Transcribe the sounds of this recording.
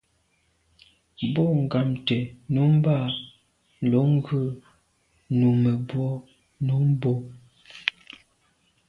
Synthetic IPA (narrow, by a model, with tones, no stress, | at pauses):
bɔ˦˨ŋ̩˨ɡa˨mtɛ˨nu˨˦m˦ba˦˨ | lo˨˦ŋ˦ɡʉ˦ | nu˨mɛ˨bwɔ˦ | nu˨˦m˦bo˦